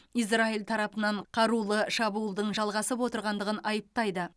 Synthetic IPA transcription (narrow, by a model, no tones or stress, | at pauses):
iz̬railˠt̪ʰɑɾɑpənɑɴqʰɑɾulˠəʃɑbuəlˠd̪əɴʒɑlˠʁɑsəpwo̞t̪əɾʁɑnd̪əʁənɑjəp̚t̪ɑjd̪ə